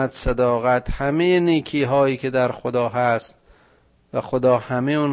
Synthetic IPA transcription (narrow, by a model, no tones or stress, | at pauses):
æt̪sæd̪ɒːɣæt̪ʰhæmejeniːkʰiːɦɒːjiːkʰed̪æɾxod̪ɒːɦæst̪̚ | væxod̪ɒːhæmejuːn